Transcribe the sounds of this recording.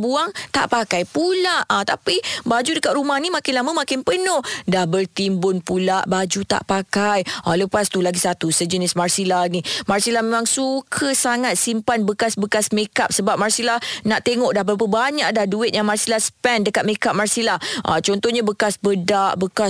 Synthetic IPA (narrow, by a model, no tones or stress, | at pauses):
buaŋt̪a̰ʔpakajpulaʔat̪apibad͡ʒudəkat̪̚ɾumahnimakɪnlaməmakɪnpənɔhdahbərt̪imbʊnpulaʔbad͡ʒut̪a̰ʔpakajʔaləpast̪ulaɡisat̪usəd͡ʒənɪsmarsilahnimarsilahmemaŋsukʰəsaŋat̪̚simpanbəkasbəkasmekap̚səbap̚marsilahnaʔt̪eŋɔʔdahbəɾapəbaɲaʔdahduɪt̪̚jaŋmarsilahspɛndəkat̪̚mekap̚marsilahʔa̰t͡ʃɔnt̪ɔhɲabəkasbədaʔbəka